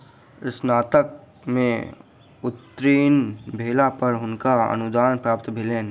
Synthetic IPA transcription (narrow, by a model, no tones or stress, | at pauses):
ɪsnaːt̪ək̚ | mẽ | ʊt̪ːɾiːnbʱeːlapəɾɦʊnkaə̰nʊd̪aːnpɾaːpt̪bʱɪleːn